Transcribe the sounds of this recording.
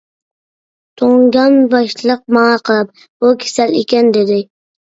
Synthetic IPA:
t̪ʰoŋɡʲɑnbɑʃlˠɨq̚mɑɑqʰɨlˠɪp̚ | bʊkʲʰe̥salekʲand̪ed̪ɪ

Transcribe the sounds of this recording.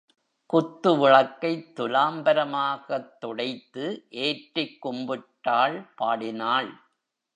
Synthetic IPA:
kʊt̪ːɯʋɪɭɐkːɐɪt̪ːʊlaːmbɐɾɐmaːɣɐt̪ːɔɽɐɪt̪ːɯʔeːʈrɪkːʊmbɪʈːaːɭpaːɽɪnaːɭ

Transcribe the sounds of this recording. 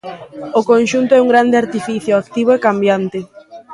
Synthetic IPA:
okonʃunt̪oɛuŋɡɾand̪eaɾt̪ifiθjoakt̪iβ̞oekambjant̪ɪ

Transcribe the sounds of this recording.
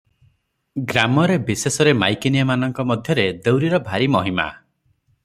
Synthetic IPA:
ɡɾamɔɾebisesɔɾemajkiniamanɔŋkɔmɔd̪ʱjɔɾed̪ewɾiɾɔbʱaɾimɔɦima̰

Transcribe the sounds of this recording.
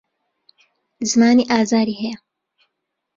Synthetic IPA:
zmaːniʔaːzaːɾiɦej

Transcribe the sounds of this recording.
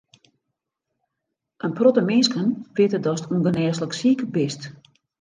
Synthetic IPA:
ʔənprotəmɪnskənʋɪtədɔstunɡənɛːsləksikbɪst

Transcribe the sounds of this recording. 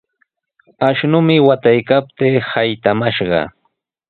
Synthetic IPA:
aʃnʊmɪwat̪ajkap̚t̪eːhajt̪amaʃɢɑ̰

